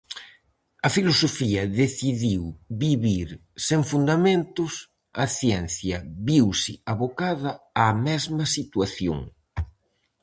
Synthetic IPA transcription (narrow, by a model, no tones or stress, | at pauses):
ɐfilosofiɐðeθiðiwbiβiɾ | seŋfund̪amẽnt̪ʊs | ɐθjɛn̟θjɐβiwsɪaβokaðɐamɛzmɐsit̪waθjo̰ŋ